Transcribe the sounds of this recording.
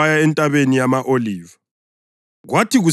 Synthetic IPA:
ajaɛntʼaβenijamaʔoliːva | ɣwatiɣu

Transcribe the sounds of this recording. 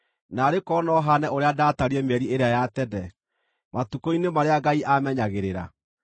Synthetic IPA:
naːɾekɔːnɔɦanɛʔoɾeadataɾiɛmɛɾieɾeajatɛdɛ | matukoinemaɾeaɡaiʔamɛɲaɣeɾeɾa̰

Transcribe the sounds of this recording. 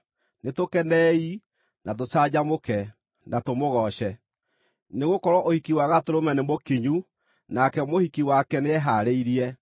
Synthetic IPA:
netokɛnɛi | nat̬ot͡ʃad͡ʑamokɛ | natomoɣɔɕɛ | neɣokɔɾɔʔohikiwaɣatoɾomɛnemokeɲu | nakɛmohikiwakɛneɛɦaɾeiɾiɛ

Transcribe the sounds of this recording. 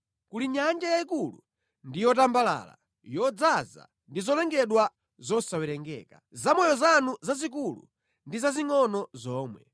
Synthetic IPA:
kuliɲand͡ʒajaikulṵ | ndijɔt̬ambala̰ːla̰ | jɔd͡zaza̰ | ndizɔlɛŋɡɛɗwa | zɔsawɛɾɛŋɡɛ̰ːkazamɔjɔzanuzazik̬ulṵ | ndizaziŋɔnɔzɔːmwɛ̰

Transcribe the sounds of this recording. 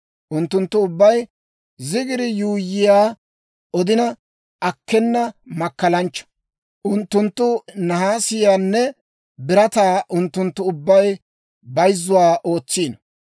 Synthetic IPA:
ʔʊnt̪ːʊnt̪ːʊʊbːɐj | zɪɡɪɾɪjuːjːɪjaː | ʔɔd̪ɪnɐ | ʔɐkːɛnːɐmɐkːɐlɐnt͡ʃːɔ̥ | ʔʊnt̪ːʊnt̪ːʊnɐɦaːsɪjaːnːɛ | bɪɾɐt̪aːʔʊnt̪ːʊnt̪ːʊʊbːɐj | bɐjzːʊwaːʔo̞ːt͡sːiːnɐ

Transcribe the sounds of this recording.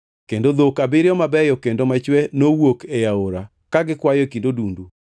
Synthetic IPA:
kendod̪okabɪɾɪɔmabɛjɔkendomat͡ʃwɛnowokejaoɾa | kaɡɪkwajekindodundu

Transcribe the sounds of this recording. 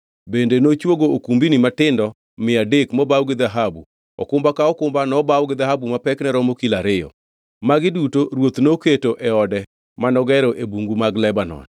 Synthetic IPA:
bendenot͡ʃwoɡookumbinimatɪndɔ | mɪadekmɔbawɡɪd̪aɦabu | ɔ̰kʊmbakaɔkʊmbanɔbawɡɪd̪aɦabumapɛknɛɾɔmokilaɾɪjɔ̰ | maɡɪdutoɾwot̪noketoʔɛɔdɛ | manɔɡɛɾɔʔebuŋɡumaɡlɛbanɔ̰n

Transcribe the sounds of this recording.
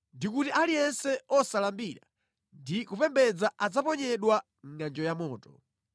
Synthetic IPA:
ndikutiʔalijɛnsɛɔsalambiɾa̰ | ndikupɛmbɛd͡zaʔad͡zapɔɲɛɗwa | ŋ̩ŋand͡ʒɔjamɔːtɔ̥

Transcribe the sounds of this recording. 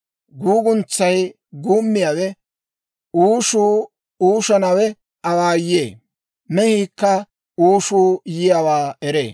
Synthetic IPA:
ɡuːɡʊnt͡sːɐj | ɡuːmːɪjaːwɛ | uːʃuː | uːʃɐnɐwɛ | ʔɐwaːjeː | nɛhiːkːɐ | uːʃuːjɪjaːwaːɛɾḛː

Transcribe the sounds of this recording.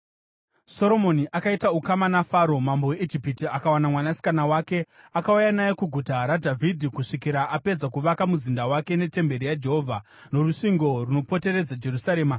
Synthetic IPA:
so̞ɾo̞moniʔakaitaukamanafaɾo̞mambowe̞ʔid͡ʒipitiakawanamwanasi̥kanawaːke̞ | akaujanajekuɡʱutaɾadʱavʱidʱikuʂikiɾaʔape̞d͡zakuʋakamuzindawake̞ne̞te̞mbe̞ɾijad͡ʒe̞ɦovʱa | no̞ruʂiŋɡo̞runo̞po̞te̞ɾe̞d͡zad͡ʒe̞rusaɾeːma

